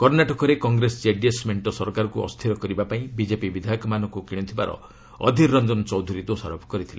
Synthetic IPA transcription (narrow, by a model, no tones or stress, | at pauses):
kɔɾnaʈɔkɔɾekɔŋɡɾesd͡ʒeɖiesmeɳʈɔsɔɾkaɾɔkuɔ̰st̪ʰiɾɔkɔɾibapaĩbid͡ʒepibid̪ʱakɔmanɔkukiɽ̃ɔt̪ʰibaɾɔ̰ | ɔ̰d̪ʱiːɔnd͡ʒɔnt͡ʃɔwd̪ʱuɾid̪osaɾɔpʰɔ̥kɔɾit̪ʰila